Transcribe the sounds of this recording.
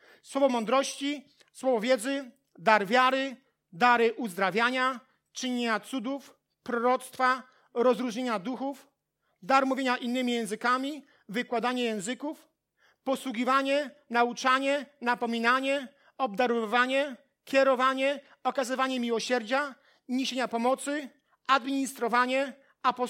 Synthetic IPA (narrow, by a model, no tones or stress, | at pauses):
swɔvɔmɔnd̪ɾɔɕt͡ɕi | swɔvɔvʲjɛd̪zɘ | d̪aɾvʲjaɾɘ | d̪aɾɘʔuzd̪ɾavʲjaɲa | t͡ʂɘɲeɲat̪sud̪uf | pɾɔɾɔt̪st̪fa | ɾɔzɾuʐɲeɲad̪uxuf | d̪aɾmuvʲjeɲaʔinːɘmʲijɛ̃w̃zɘkamʲi | vɘkwad̪aɲɛjɛ̃w̃zɘkuf | pɔswuɡʲivaɲɛnaut͡ʂaɲɛnapɔmʲinaɲɛ | ɔb̚d̪aɾɔvaɲɛ | kʲɛɾɔvaɲɛ | ɔkazɘvaɲɛmʲiwɔɕɛɾd͡ʑa | ɲiɕeɲapɔmɔt̪sɘ | ad̪mʲiɲist̪ɾɔvaɲɛ | apɔ